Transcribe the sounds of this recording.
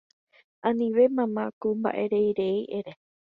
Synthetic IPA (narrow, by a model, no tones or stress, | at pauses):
ãnĩʋe̞mãmãkomba̰ʔe̞ɾe̞jɾe̞iʔeɾe